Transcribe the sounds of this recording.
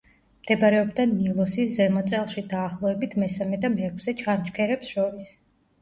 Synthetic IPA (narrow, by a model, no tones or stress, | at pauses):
md̪̥ɛbaɾɛɔbd̪anilˠɔsiszɛmɔt̪sʼɛlˠʃid̪aːχlˠɔɛbit̪ʰmɛsamɛd̪amɛːkʰsɛt͡ʃʰant͡ʃkʰɛɾɛpsʃɔɾis